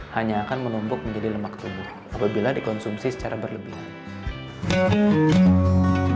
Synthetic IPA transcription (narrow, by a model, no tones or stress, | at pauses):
haɲaːkanmənumbʊk̚məɲd͡ʒadiləmak̚t̪ubʊhʔapabiladikɔnsumsisə̥t͡ʃaɾabərləbɪh